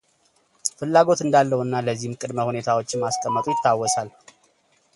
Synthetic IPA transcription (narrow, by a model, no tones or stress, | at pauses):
fɨlːaɡo̞t̪ɨnd̪alːəwɨnːaləzːihmkʼɨd̪məhune̞t̪ʰawo̞t͡ʃːɪmaskʼəmːət̪ʼujɪt̪ʰːawːɔsal